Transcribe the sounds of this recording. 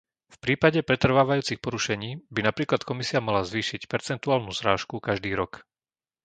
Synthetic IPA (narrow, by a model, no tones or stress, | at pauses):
fpɾiːpaɟɛpɾɛt̪r̩ʋaːʋajuːt͡sixpɔɾuʃɛɲiːbinapɾiːklat̪kɔmisiamalazʋiːʃicpɛɾt͡sɛnt̪uaːlnuzɾaːʃkukaʒd̪iːɾɔk